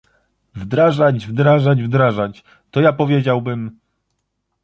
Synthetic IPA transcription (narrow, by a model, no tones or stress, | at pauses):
vd̪ɾaʐad͡ʑvd̪ɾaʐad͡ʑvd̪ɾaʐat͡ɕ | t̪ɔjapɔvʲjed͡ʑawbɘm